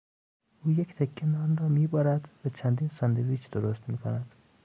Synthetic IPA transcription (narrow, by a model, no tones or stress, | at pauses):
ʔuːjekt̪ʰekʰːenɒnrɒːmiːbɒːɾæd̪væt͡ʃʰænd̪iːnsɒnd̪eɾiːt͡ʃd̪̥oɾost̪miːkʰonæd̪̥